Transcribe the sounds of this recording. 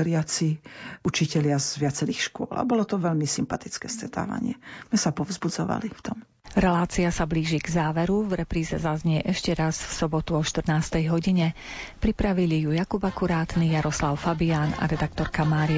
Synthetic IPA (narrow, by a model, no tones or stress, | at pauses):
ɾɪat͡siʔut͡ʃicɛʎɪazʋɪat͡sɛɾixʃkʊɔ̰lʔa̰bɔlɔt̪ɔʋɛʎmisimpat̪it͡skɛːst̪ɾɛt̪a̰ːʋa̰ɲɪɛ̰zmɛsapɔvzbud͡zɔʋa̰lift̪ɔm | ɾɛlaːt͡siasabliːʒiɡzaːʋɛɾuvɾɛpɾiːzɛ̰zazɲɛɛʔɛʃcɛɾazfsɔbɔt̪uɔʃt̪r̩naːst̪ɛjɦɔɟiɲɛpɾipɾaʋilijujakubakuɾaːt̪nijaɾɔslaʊfabiaːna̰ɾɛd̪ak̚t̪ɔɾkamaːɾia